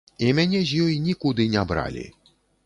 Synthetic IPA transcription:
imʲanʲɛzʲjɔjinʲikud̪ɨnʲabɾa̰lʲḭ

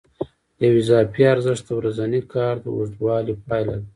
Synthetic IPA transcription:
d̪əjwizɑːpiaɾzəʂt̪̚d̪əwɾazanikʰɑɾd̪əuʐd̪wɑlipɑːjla̰d̪a

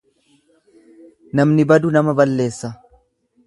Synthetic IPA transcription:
nɐmnɪbɐd̪ʊnɐmɐbɐlːe̞ːsːɐ

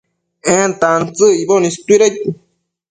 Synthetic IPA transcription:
ɛ̃nt̪ant͡sɨibonist̪uiɾat̪u

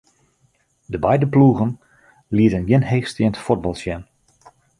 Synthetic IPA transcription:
dəbɛjdəpluːɣən | liətənjɪnheːxstɪəntfod̚bɑlˠsjɛn

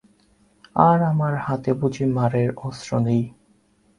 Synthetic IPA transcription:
aɾamaɾhat̪ebud͡ʑimaɾeɾɔsɾonej

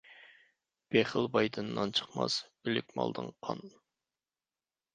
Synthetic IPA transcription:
b̥eχəlˠbɑjd̪ɨnːɑnt͡ʃʰə̥χmɑ̰sbylɪk̚ʲmɑ̰lˠd̪ɨŋqʰɑn

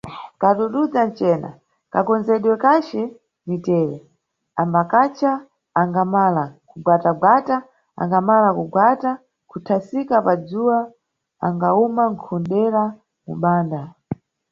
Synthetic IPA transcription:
kaɗuɗud͡zant͡ʃɛːna̰ | kakɔnzɛɗwɛkat͡ʃɛ | nitɛːɾɛ | ambakat͡ʃaː | ŋɡamalakuɡwataɡwata | a̰ŋɡamalakuɡwata | kutʰasikapad͡zuwa | a̰ŋɡaumaŋkʰɔnɗɛɾa | mṵɓaːnda

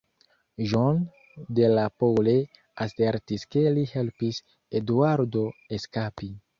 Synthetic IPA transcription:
ʒon | de̞lapole | ase̞ɾtiske̞lihe̞lpis | eduaɾdo̞eskapi

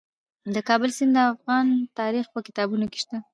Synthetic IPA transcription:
d̪əkɑbəlsɪnd̪əafɣɑnt̪ɑɾixpəkɪ̥t̪ɑbunoke̥ʃt̪a

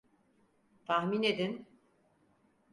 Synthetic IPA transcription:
t̪ʰahmined̪in

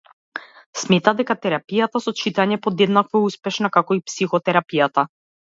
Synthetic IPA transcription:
smɛt̪ad̪ɛkat̪ɛɾapijat̪asɔt͡ʃit̪aɲɛpɔd̪ɛd̪nakvɔɛuspɛʃnakakɔipsixɔt̪ɛɾapijat̪a

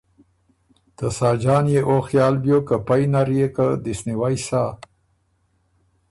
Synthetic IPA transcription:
t̪əsɑːd͡ʒɑːnjeʔoxjɑːlbjokəpajnaɾjekəd̪ɪsniwajsa

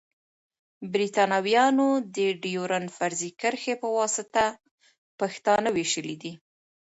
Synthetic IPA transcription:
bɾit̪ɑnɑwjɑnod̪əɖijoɾanfaɾzikəɾxepəwɑsɪt̪a | paxt̪ɑnaweʃəlid̪i

